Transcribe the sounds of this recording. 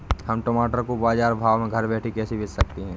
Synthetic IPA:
hɐmʈoːmaːʈəɾkobaːd͡ʒaːɾbʱaːʋmẽɡʱɐɾbɛːʈʰikɛːsibʱɪt͡ʃsɐk̚t̪iɦɛ̃ː

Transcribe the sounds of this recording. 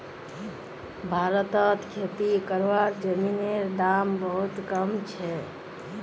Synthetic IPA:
bʱaɾət̪ət̪kʰet̪ikəɾʋaɾd͡ʒəmineɾɖambəɦut̪kəmt͡ʃʰɛ

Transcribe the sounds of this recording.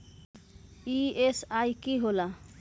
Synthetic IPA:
iesajkiɦola

